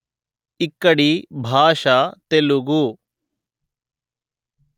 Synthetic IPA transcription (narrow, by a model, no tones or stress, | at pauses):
ɪkːəɽibʱaːʃat̪eluɡu